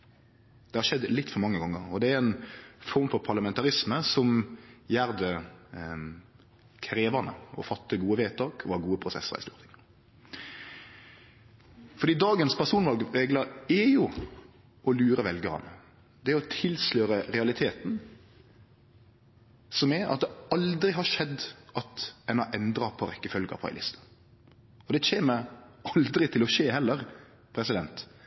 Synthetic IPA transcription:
d̪̥ɛhɑʂɛd̪lɪt̪ːfɔɾmɑŋːəɡɔŋːə̰ɾɔd̪ɛæɾɛnfɔɾmfɔɾpʰɑʁlɑmɛnt̪ɑʁɪsməsɔmjæːɾd̪ə | kʰɾeːʋɑnə̰ɔ̰fɑt̪ːəɡuːəʋeːt̪ɑːkʰɔhɑɡuːəpʰʁʊsɛ̰sːə̰ɾɪ̰st̪uːʁt̪ʰɪŋ | fɔɾd̪iːd̪ɑːɡənspʰæʁʂuːnʋɑlɡɾɛɡləɾɛjʊ | ɔlʉːɾəʋɛlɡəɾɑ̰nə̰ | d̪ɛɔt̪ʰɪlsløːɾəɾɛɑlɪt̪ʰeːt̪n̩ | sɔmɛɑ̰t̪̚d̪ɛɑld̪ɾɪɦɑʂɛd̪ːʔɑt̪ɛnɑʔɛnd̪ɾɑpʰɔɾɛkːəfœlɡəɑ̰pʰɑ̰ɪlɪ̰st̪ʰɑ̥ | ɔd̪ɛçeːməɾɑld̪ɾɪt̪ʰɪlɔʃeːɦɛlːəɾ | pʰɾɛsɪd̪ɛnt̪

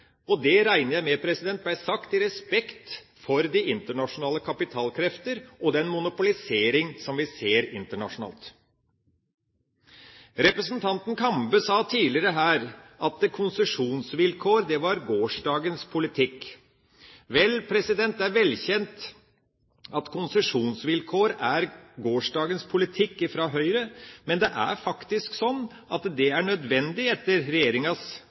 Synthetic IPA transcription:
ɔd̪ɛɾæɪnəjæɪmɛpʰɾɛsɪd̪ɛnt̪̚b̪æɪsɑkt̪ɪɾɛspɛkt̪ | fɔɾd̪iɪnt̪əɳɑʂʊnɑːləkʰɑpɪt̪ʰɑːlkʰɾɛft̪əɾɔd̪ɛnmʊnʊpʊlɪseːɾɪŋsɔmʋɪseːɾɪnt̪əɳɑ̰ʂʊnɑ̰ːlt̪ | ɾɛpɾəsnt̪ʰɑnt̪n̩kʰɑmbəsɑːt̪ʰiːlɪɾəɦæːɾʔɑt̪̚d̪ɛkʰʊnsəʂuːnsʋɪlkʰoːɾd̪ɛʋɑɾɡoːʂɖɑːɡənspʰʊlɪt̪ʰɪk | ʋɛlpʰɾɛsɪd̪ɛnt̪æɾʋɛlçɛnt̪ | ɑt̪kʰʊnsəʂuːnsʋɪlkʰoːɾæɾɡoːʂɖɑːɡənspʰʊlɪt̪ʰɪkːɪfɾɑɦœʏɾəmɛnd̪ɛʔæ̰ɾfɑkt̪ɪsksɔnː | ʔɑt̪d̪ɛæɳœd̪ʋɛnd̪ɪɛt̪ːəɾɾɛjeːɾɪŋɑs

